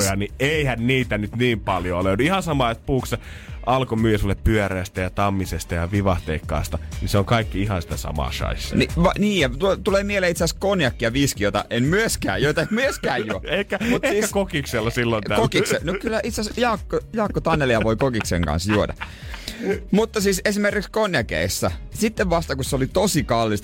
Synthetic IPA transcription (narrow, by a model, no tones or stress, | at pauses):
jɑnieihænniːt̪ænyt̪niːmpɑljoløˑynihɑnsɑmɑˑːet̪̚puːksse | ʔɑlkomyːjæsulːeppyøræːˑst̪æjɑt̪ɑmːisest̪ɑjɑʋiʋɑht̪eːkːɑ̰ːst̪ɑniseoŋkɑikːiihɑnsit̪æsɑ̰mɑ̰ːʃɑ̰isːɑ̥niʋɑniːjɑt̪ut̪uleːmieleit̪seæskonjɑkːiɑʋiskijot̪ɑ̰ʔenmyøskæ̰ːjoit̪ɑemmyøskæːjjuoekːæmut̪esiːskækokikselːɑsilːonækokisenokylːæʔit̪sæsjɑːkːojɑːkːot̪ɑnːeliɑʋoikokiksḛŋkɑ̰̃nsjuodɑ̰ | mut̪ːɑsiːsesimerkikskonjɑkḛisːæsit̪ːeʋʋɑst̪ɑkusseolit̪osikɑlːist̪